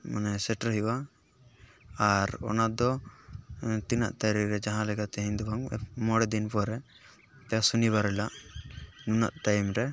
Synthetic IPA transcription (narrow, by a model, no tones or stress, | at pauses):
manɛsɛʈaɾɦiwa | aɾɔ̰nad̪ɔ | t̪ina̰ʔt̪aɾiɾɛd͡ʒaɦãlɛɡat̪ɛɦiɲd̪ɔbaŋ̰mɔɽɛd̪inpɔɾɛ | t̪ɛjasunibaɾɛlaʔ | nuna̰ʔʈajmɾɛ